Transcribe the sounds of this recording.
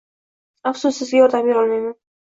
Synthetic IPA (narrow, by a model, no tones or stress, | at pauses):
apsʊsɪzɡʲaɔɾd̪amiɒlmajman